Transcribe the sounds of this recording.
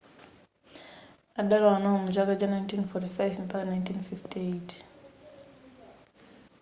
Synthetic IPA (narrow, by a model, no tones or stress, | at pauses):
adalawanawɔmud͡ʒalad͡ʒanajntʰinfɔtifajvɛmpakanajntʰinfiftietʰ